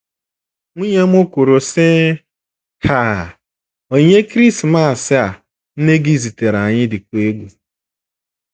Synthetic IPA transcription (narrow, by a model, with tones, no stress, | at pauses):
ŋʷu˦ɲe˦m̩˦ʊ˦kʊ˨ɾʊ˨sɪ˦ | ha˨ | o˨ɲe˦kɾi˦sma˦˨sɪ˦a˨ | n̩˦ne˦ɡi˦zi˨te˨ɾa˨ɲɪ˦dɪ˨kʷe˦ɡʷu˦